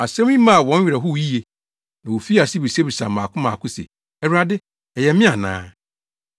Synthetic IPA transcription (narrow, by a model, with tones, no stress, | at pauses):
a˨sɛ̃˦mĩ˦mã˦˨wɔ̃˦n˦ɥᶣɾa˨ɦʊ˦wji˦je˨ | nã˨wo˨fi˦a˨sɪ˦bi˨se˦bi˨sa̰˨mãː˨kʰʊ̃˦mã˨kʰʊ̃˦sḛ˨ | ɛ˨hɾa˨dɪ˦ | ɛ˨jɛ˨mɪ̃˦a˨nã̰ː˦